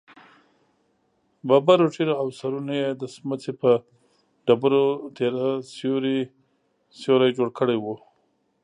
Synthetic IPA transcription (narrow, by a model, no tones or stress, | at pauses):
babaɾoʈiɾoawsaɾunojed̪əsmət͡sepə | ɖabaɾot̪eɾasjoɾi | sjoɾajd͡ʒoɽkəɽajwu